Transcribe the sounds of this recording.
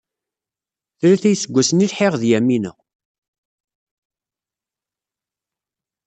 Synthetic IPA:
θɾæθæjsəɡʷːæsənilħeʁðjæminə̰

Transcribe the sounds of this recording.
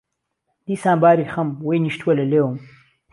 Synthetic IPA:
d̪iːsaːmbaːɾixɐmwejniʃt̪wɐlɐleːwm

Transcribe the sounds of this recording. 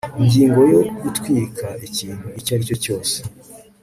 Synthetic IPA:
iɲɟiːŋɡo̞jo̞utwiːkʰaiciːn̥huicaɾico̞co̞ːse̥

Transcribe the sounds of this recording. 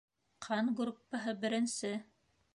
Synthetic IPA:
qʰɑnɡɾupːɑɦɤbɘ̆ɾɘ̆nsɘ

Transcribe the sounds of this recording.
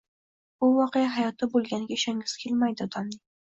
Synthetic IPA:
b̥ʊvɒqejaɦajɒt̪ʰɪbolˠɡʲanɪɡʲaɪʃaŋɪz̥kʲʰelmajd̪ɪɒd̪amnɪ

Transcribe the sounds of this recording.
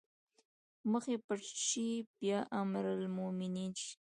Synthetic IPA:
məxepəʈ͡ʂʃibjɑʔamɾalmominit͡ʃ

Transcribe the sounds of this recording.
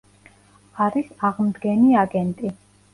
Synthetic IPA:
aɾisaʁmd̪ɡɛniaɡɛnt̪ʼi

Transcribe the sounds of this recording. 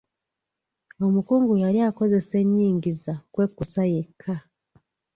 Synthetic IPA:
o̞mukuːŋɡujaɾiako̞ze̞se̞ɲːiːŋɟizakwe̞ːkːusaje̞kʰːa

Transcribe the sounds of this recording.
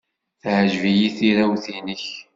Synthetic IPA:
θʕʒvijiθiɾæwθinəç

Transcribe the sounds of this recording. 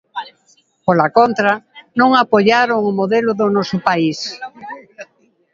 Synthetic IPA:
polakont̪ɾanõŋapoʎaɾoŋʊmoðelʊðʊnɔsʊpais

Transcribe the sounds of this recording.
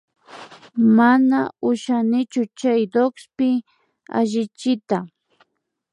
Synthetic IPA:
manaʊʃanɪt͡ʃʊt͡ʃajd̪okspɪ | a̰ʒɪt͡ʃɪt̪a

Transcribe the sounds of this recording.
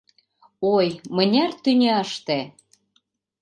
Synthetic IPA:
ojmə̆nʲært̪ynʲʃt̪e

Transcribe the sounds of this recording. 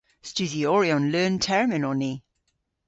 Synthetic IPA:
st͡ʃʉðiɔɹiɔ̃nlɜːntʰɛɹmɪnɔni

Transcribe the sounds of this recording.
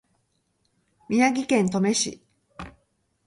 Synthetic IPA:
mʲinaɡʲikẽ̞nt̪o̞me̞ɕḭ

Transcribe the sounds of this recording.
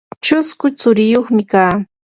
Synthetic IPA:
t͡ʃʊskʊt͡sʊɾɪjoχmɪkaː

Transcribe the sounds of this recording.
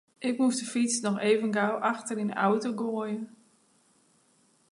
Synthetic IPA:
ʔɪk̚musdəfit͡snɔxeːvənɡawʔaxtərina̰wtoɡoəjən

